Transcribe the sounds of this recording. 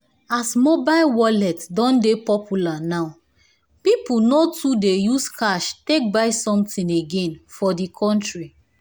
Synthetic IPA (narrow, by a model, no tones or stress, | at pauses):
asmobalwɔlɛtdɔ̃ndepɔpʰulanaʊ | pipunotudejuskaʃtek̚baɪsɔ̃mtĩneɡɛ̃nfɔdikʰɔ̃ntɹi